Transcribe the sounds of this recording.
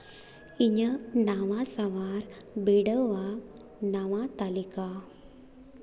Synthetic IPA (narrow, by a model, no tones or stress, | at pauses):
iɲənaʋasaʋaɾ | biɽəʋa | naʋãt̪alika